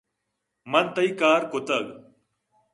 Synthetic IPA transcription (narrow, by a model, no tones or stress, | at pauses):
mɐnt̪ɐikaːɾkot̪ɐɡ